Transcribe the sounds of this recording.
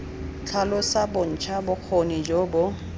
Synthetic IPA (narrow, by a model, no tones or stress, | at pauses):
t͡ɬʰalʊsabʊn̩t͡ʃʰabʊq͡χʰonɪd͡ʒobʊ